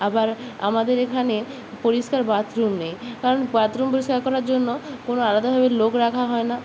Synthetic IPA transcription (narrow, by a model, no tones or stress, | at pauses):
abaɾa̰mad̪eɾekʰane | poɾiʃkaɾbat̪ɾumnejkaɾonbat̪ɾumpoɾiʃkaɾkɔɾaɾd͡ʑonːokonoalad̪abʱabelokɾakʰaɦɔena